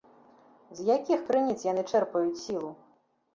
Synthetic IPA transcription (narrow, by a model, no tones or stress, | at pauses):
zʲjakʲixkɾɨnʲit̪sjanɨt͡ʂɛrpɐjut͡sʲsʲilˠu